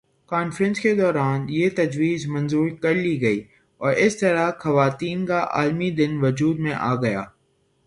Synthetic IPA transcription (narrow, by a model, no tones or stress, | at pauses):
kaːnfɾə̃nsked̪ɔːɾaːnjeːt̪ɐd͡ʒʋiːzmɐ̃nzuːɾkɐɾliɡɐiː | ɔːɾɪst̪ɐɾaxɐʋaːt̪iːnkaʔa̰ːlmid̪ɪnʋʊd͡ʒuːd̪mẽʔaːɡɐjaː